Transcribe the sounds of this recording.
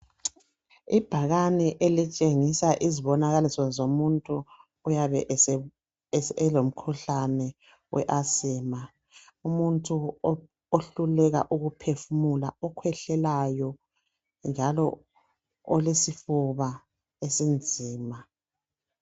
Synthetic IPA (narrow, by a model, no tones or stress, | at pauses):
ib̥ʱaɣanɛʔelit͡ʃʼeŋisaʔiziβɔnaɣalisɔzomuntʼuː | jaβɛʔ | ɛlom̩kʰuɬanɛ | wʔɛ̰ʔasiːma | umuntʼu | oɬulɛɣa̰ʔuɣupʰefumulaɔkʰwɛɬɛlajɔ | nd͡ʒʱalɔ | ɔlesifuβa | esind͡zʱiːma